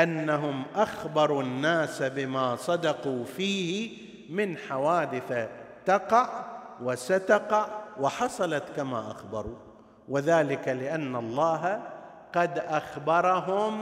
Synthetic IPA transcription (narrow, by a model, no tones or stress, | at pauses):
ʔanːaɦʊmʔaxbɑɾˤunːaːsabɪmaːsˤɑd̪ɑquːfiːhɪ | mɪnħawaːd̪ɪθat̪ɑqɑʕwɪsat̪aqɑʕwɪħɑsˤɑlɑt̪kama̰ːʔaxbɑɾˤuː | wɪðaːlɪkalɪʔanːalˤːɑːɦa | qɑd̪ʔaxbɑɾˤɑɦʊm